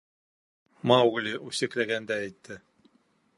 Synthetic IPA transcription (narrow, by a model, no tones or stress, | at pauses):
mɑwɡlʲiʔʉsɘ̆klæɡænd̪æːjt̪ːɘ